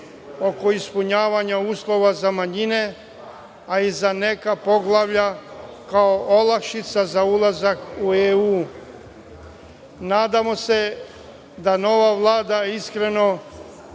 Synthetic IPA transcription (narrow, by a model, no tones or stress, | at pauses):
o̞ko̞ispuɲaːʋaɲauːslˠo̞ʋazamaɲine̞ | aizane̞kapo̞ɡlˠaʋʎa | kaoʔolakʃit̪sazaulˠazakueuː | naːd̪amo̞se̞ | d̪ano̞ʋaʋlˠaːd̪aiskɾe̞no̞